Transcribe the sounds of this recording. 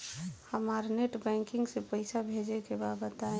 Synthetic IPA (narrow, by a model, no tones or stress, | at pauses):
həmaɾneʈbɛ̃ŋkɪ̃ŋɡsepəɪsabʱed͡ʒekebabət̪aẽ